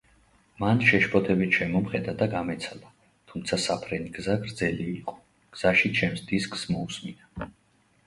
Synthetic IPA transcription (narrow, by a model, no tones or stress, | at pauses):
manʃɛʃpʰʼɔt̪ʰɛbit̪ʰʃɛmɔmχɛd̪ad̪aɡamɛt̪sʰalˠa | t̪ʰumt̪sʰasapʰɾɛniɡzaɡɾd̪zɛliːqʼɔ̥ | ɡ̥z̥aʃit͡ʃʰɛmsd̪iskʰʼsmɔusmina